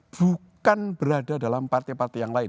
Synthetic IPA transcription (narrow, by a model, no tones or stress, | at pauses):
b̥ukanb̥əɾadadalampart̪ipart̪ijaŋlaɪ